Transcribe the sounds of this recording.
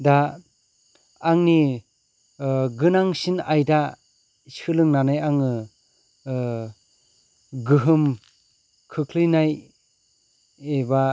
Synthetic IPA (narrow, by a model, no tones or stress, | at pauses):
da | ŋni | ɡɯnaŋsinajda | sɯlɯŋnanajaŋɯ | ɡɯɦɯm | kʰɯkʰlɯjnaj | eba